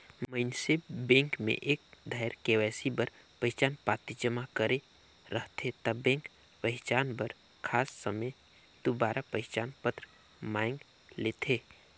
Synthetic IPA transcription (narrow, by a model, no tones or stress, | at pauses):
məɪnsebẽːŋkmḛ̃ʔeːk̚d̪ʱaːɾkeʋɛːsibəɾ | pəɦɪt͡ʃaːnpaːt̪id͡ʒəmakəɾe | ɾəɦt̪ʰet̪əbẽːŋk | pəɦɪt͡ʃaːnbəɾ | kʰaːsːəməj | d̪̥obaːɾapəɦɪt͡ʃaːnpət̪ɾ | maːɪ̃ŋɡ | leːt̪ʰeː